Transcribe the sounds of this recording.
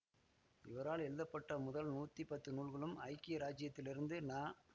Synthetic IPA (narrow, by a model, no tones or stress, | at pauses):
ɪʋɐɾaːlɛɻɯðɐpːɐʈːɐmʊðɐlnuːt̪ːipɐt̪ːɯnuːɭɣɐɭɯmɐɪkːiɾaːd͡ʒɪjɐt̪ːɪlɪɾɯnd̪ɯnaː